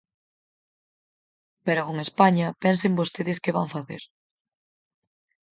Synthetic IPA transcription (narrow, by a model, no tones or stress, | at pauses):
peɾʊkoŋespaɲɐpɛnsembost̪eðɪskɪβa̰ɱfaθḛɾ